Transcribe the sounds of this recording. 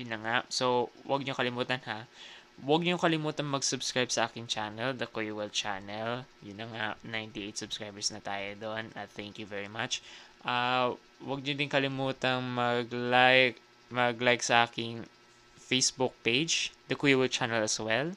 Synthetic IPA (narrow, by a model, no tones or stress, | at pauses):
jʊnːɐŋaʔsowwɐɡ̚ɲokɐlɪmuːt̪ɐnhawɐɡ̚ɲokɐlɪmuːt̪ɐŋmɐɡsʊbskɹajb̚sɐʔaːkɪŋt͡ʃanɛld̪ɐkujwɛlt͡ʃa̰nɛljʊnːɐŋaʔnajnt̪iʔejt̪sʊb̥skɹajbɛɹsnɐt̪a̰ːjod̪onʔɐθɛŋkjuvɛɹimat͡ʃʔa | wɐɡ̚ɲod̪ɪnkɐlɪmuːt̪ɐŋmɐɡlajk | mɐɡlajksɐʔaːkɪŋ | fejsbʊk̚pejd͡ʒd̪ɐkujwɛlt͡ʃanɛlɐswɛl